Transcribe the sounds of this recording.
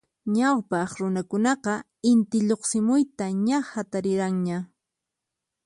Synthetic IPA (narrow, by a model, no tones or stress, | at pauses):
ɲawpɑχɾʊnakʊnɑqɑ | ɪnt̪ɪʎoχsɪmʊjt̪aɲahat̪aɾɪɾaŋɲa